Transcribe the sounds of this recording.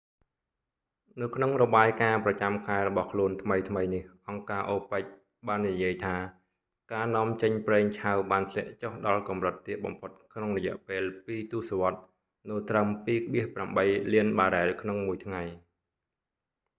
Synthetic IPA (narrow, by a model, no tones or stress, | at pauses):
nɨwkʰnoŋrɔɓaːjkaːprɑt͡ɕamkʰaɛɾɔɓɑhkʰluənt̪ʰməjt̪ʰməjnihʔɑŋkaːʔoːpəc̚ | ɓaːnːijiəjt̪ʰaː | kaːnɔ̆əmt͡ɕəɲprɛːŋt͡ɕʰawɓaːnt̪ʰlɛ̆əʔt͡ɕohɗɑlkɑmrət̪ːiət̪̚ɓɑ̰mpʰot̪̚kʰnoŋrɔjɛ̆əʔpeːlpiːt̪uəsoʋŏət̪̚ | noət̪rəmpiːk̚ʰɓiəhpramɓəjliənɓaːɾaɛlkʰnoŋmuəjt̪ʰŋaj